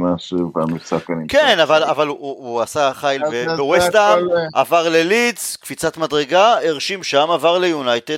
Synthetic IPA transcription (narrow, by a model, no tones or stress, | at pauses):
maʃuvamisakanikenavalavaluasaχajlvevewestamʔavaʁlelit͡skfit͡sat̪madʁeɡaeʁʃimʃamavaʁlejunajted